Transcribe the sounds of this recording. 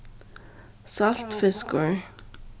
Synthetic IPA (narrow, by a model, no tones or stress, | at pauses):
salt̪fɪskəɹ